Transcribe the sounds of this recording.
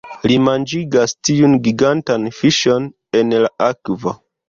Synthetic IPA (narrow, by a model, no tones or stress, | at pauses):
limand͡ʒiɡastiunɡiɡantanfiʃon | enlaʔakvo